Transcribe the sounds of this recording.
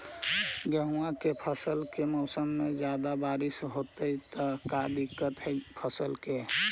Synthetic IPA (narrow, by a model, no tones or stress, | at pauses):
ɡəɦuakepʰəsəlkemɔːsəmːẽd͡ʒjaːd̪abaːɾɪsɦot̪əit̪əkad̪ɪkːət̪ɦɛpʰəsəlke